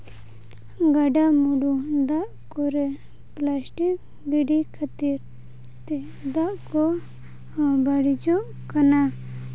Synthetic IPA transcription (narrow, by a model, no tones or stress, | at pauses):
ɡaɖamuɖud̪aʔkɔɾɛ | plasʈik̚ | ɡiɖikʰat̪iɾ | t̪ɛ | d̪aʔkɔ | baɽid͡ʒɔʔ | kana